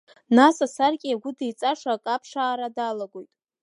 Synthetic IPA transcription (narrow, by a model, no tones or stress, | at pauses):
nasasarkʲʼiaɡʷʊdejt͡sʼaʂakʼapʰʂaːɾadalaɡʷo̞jtʼ